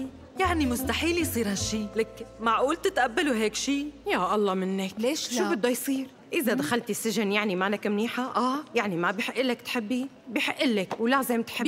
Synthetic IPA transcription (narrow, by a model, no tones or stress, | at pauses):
jaʕnimʊst̪aħiːljsˤiːɾhaʃːiːlakmaʕʔuːlt̪ɪt̪ʔabːaluɦeːkʃiːjaːʔɑlˤːɑːmɪnːakːʃʃuːbɪd̪ːajsˤiːɾ | ʔɪzad̪axalt̪isːɪʒɪnjaʕnimaʔnakmniːħaʔaːjaʕnimabiħɪʔːɪlːakt̪ħɪbːi | biħɪʔːɪlːakwlazeːmt̪ħɪb